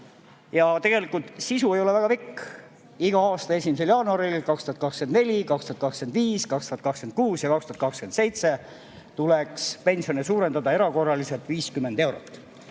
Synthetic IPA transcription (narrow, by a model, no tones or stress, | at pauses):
jɑt̪e̞ɡ̥e̞likːˑult̪sisue̞jo̞le̞væɡ̥ɑpikː | iɡ̥ɑɑːst̪ɑe̞simise̞ljɑːnuɑɾilkɑkst̪uhɑt̪kɑkskenne̞lʲikɑkst̪uhɑt̪kɑkske̞nd̪viːskɑkst̪uhɑt̪kɑkske̞nd̪̥̚kuːsjɑkɑkst̪uɑt̪kɑkskend̪sejt̪se̞ | t̪ulekspe̞nsio̞nesuːɾe̞nd̪ɑd̪ɑe̞ɾɑko̞rːɑlise̞lt̪viːskymːe̞nd̪e̞wɾot̪ːˑ